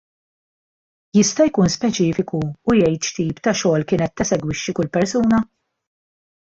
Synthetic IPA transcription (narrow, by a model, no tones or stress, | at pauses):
jɪst̪ɐjkuːnspɛt͡ʃɪːfɪkuːjɛjt̪ʃt̪iːpt̪ɐʃɔːlkɪːnɛt̪ːɐsɛɡwɪʃːikʊlpɛɾsuːnɐ